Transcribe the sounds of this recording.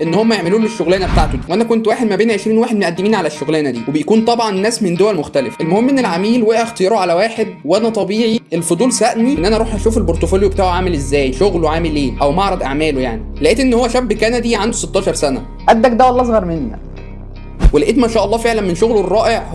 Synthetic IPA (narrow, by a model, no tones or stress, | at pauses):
ʔenːhomːæjeʕmeluːleʃːoɣlæːnæbet̪aʕt̪oiweʔænækont̪waːħed̪mæbeːnʕeʃɾiːnwaːħed̪mʔæd̪ːemiːnʕalæʃːoɣlæːnæd̪iːwebejkuːnt̪ˤɑbʕɑnnːæːsmend̪owælmoxt̪ælefʔelmohemːʔenːelʕamiːlweʔʔæxt̪ejɑːɾoʕalæwaːħed̪weʔænæt̪ˤɑbiːʕiʔelfod̪ˤuːlsæʔnienːʔænæɑɾˤuːħʔæʃuːfelboɾt̪ofoljobet̪aːʕoʕaːmelezːæːjʃoɣloʕaːmelʔeːʔæwmɑʕɾˤɑd̪ˤʔaʕmæːlojaʕnilæʔiːt̪ʔenːhowːæʃæbːkænæd̪iːʕand̪oset̪ːɑːʃɑɾˤsænæ̰ | ʔæd̪ːækd̪æwælːʔɑzɣɑɾˤmenːæ̰k | welæʔeːt̪mæʃæːʔɑlˤːɑːfeʕlænmenʃoɣloerˤːɑːʔeʕ